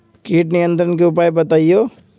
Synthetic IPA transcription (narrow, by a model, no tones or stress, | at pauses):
kiːʈnijə̃nt̪ɾənkeʊpaːjbɐt̪aːioː